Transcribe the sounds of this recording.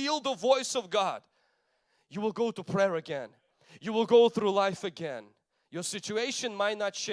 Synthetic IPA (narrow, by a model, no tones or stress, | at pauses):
ilˠðəvɔɪsʌvɡɑd̥ | jɨwəlˠɡoʊɾəpʰɹ̥ɛɹɨɡɛ̃n | jɨwɪlˠɡoʊθɹulaɪfɨɡɛ̃n | jə˞sɪt͡ʃueɪʃɨ̃nmaɪtⁿnətʃe